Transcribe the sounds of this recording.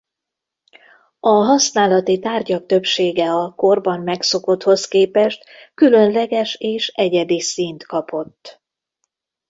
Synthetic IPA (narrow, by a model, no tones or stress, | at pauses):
ɒɦɒsnaːlɒt̪it̪aːrɟɒk̚t̪ø̞pʃeːɡɛɒko̞rbɒmːɛkso̞ko̞t̪ho̞skeːpɛʃt̪kylø̞nlɛɡɛʃeːʃɛɟɛd̪isint̪kɒpo̞t̪ː